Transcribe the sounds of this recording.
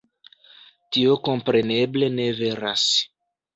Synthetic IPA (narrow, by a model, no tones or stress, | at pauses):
tio̞ko̞mpɾe̞ne̞ble̞ne̞ve̞ɾas